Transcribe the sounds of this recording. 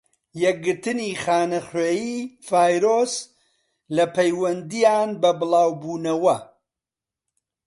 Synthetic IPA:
jɛk̚ɡɨɾt̪ɨniːχaːnɐχweːjiːfaːjɾoːs | lɐpʰɐjwɐnd̪ijaːnbɐbɨlˠaːwbuːnɐwɐ

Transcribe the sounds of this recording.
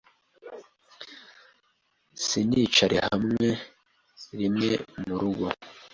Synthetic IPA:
siniːt͡ʃaɾʔihamŋe̞ | ɾimŋemuɾuɡo

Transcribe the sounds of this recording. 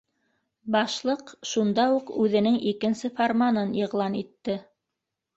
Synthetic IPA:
bɑʃlˠɤqʃund̪ɑuqʉðɘ̆nɘŋʔikɘ̆nsɘformanɤniʁlˠɑnit̪ːɘ

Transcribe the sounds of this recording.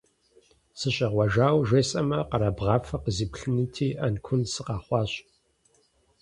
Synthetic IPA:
sɨɕʼɐʁʷɐʒaːwʒeːsʼɐmɐqɐɾɐbʁɑːfɐqəziːpɬɨnɨtʰiːʔɐnkʷʰʊnsɨqɑːχʷɑːɕ

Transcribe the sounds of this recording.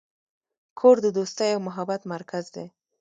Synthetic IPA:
kʰoɾd̪əd̪ost̪əjawmʊɦabat̪maɾkʰazd̪e

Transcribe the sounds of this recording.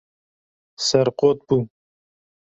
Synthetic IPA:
sɐɾqot̪̚bu

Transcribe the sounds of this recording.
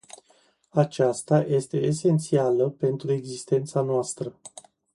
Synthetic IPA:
at͡ʃast̪aje̞st̪e̞ese̞nt̪sialəpe̞nt̪ɾue̞ɡzist̪e̞nt̪sanoast̪ɾə

